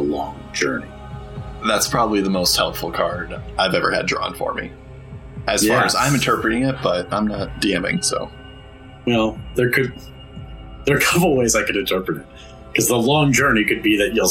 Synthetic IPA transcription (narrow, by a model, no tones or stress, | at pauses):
əlɔ̃ŋd͡ʒɜ̰˞ni | ðætspʰɹ̥ɑbəbliðəmoʊst̚hɛlˠpfl̩ˠkʰɑɹdaɪvɛvə̰˞ɨ̰dɹɔ̰̃nfə̰˞mḭ | ʔɨz̥ɑɹɨzãɪ̃mɨ̃ntʰɜ˞pɹɨɾɪ̃ŋɪt̚b̥ʌɾ̚ãɪ̃mnət̚d̥iɛ̃mɪ̰̃ŋsoʊ | wɛlˠðə˞kʰɨd̪̚ | ðə˞kʰʌpl̩ˠweɪzaɪkɨɾɨ̃ntʰɜ˞pɹɨɾɨt̚ | kʰʌzðəlɔ̃ŋd͡ʒɜ˞nikɨd̚biðɨt͡ʃɛ